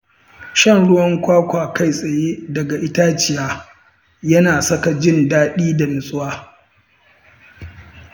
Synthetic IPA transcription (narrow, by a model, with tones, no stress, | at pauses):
ʃɐ˦nɽʊ˦wɐ˦ŋkʷaː˦kʷaː˨ka˦˨jsʼɐ˨jeː˦dɐ˨ɡa˨ʔɪ˦ta˦t͡ʃɪ˨jaː˦ | jɐ˦naː˨sɐ˦ka˨d͡ʒɪ˦˨ndaː˦ɗiː˦da˨mɪ˨sʼʊ˦waː˦